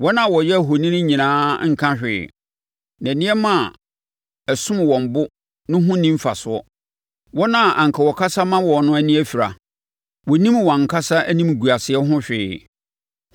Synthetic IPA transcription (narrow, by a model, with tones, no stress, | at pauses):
wɔ˦nã˨˦˨wɔ˨jɛ˦˨ɦo˨nĩ˦nʊ̃˦ɲĩ˨nãː˦ŋ̩˨kʰã˦ɕᶣɪ̰ː˨ | næ̃˨nɪ̃˦ɛ˦mã˦˨ | æ˨sʊ̃˦m˨wɔ̃˨m˨bʊ˦ | nʊ̃˦ɦʊ̃˦nĩ˦m˦fa˨sʊ˨˦ɔ˦ | wɔ˦nã˦˨ʔã˨ŋ̩˨kʰa˨wɔ˨kʰa˦sa˦mã˦wɔ˨nʊ̃˦æ˦nĩ˦æ˦fi˨ɾa̰˨ | wɔ˨nĩ˦mwã˨ŋ̩˨kʰa˦sa˦ʔæ˦nĩ˦m˨ɡu˨a˨sɪ˨ɛ˦ɦʊ̃˦ɕᶣɪː˨